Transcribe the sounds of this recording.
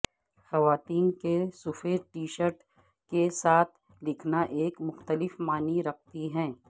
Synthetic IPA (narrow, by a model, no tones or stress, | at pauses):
xɐʋaːt̪iːnkesʊfeɾʈiːʃəɾʈ | kesaːt̪ʰ | lɪkʰnaʔeːkmʊxt̪əlɪfmaːniɾɐk̚t̪iɦɛ̃ː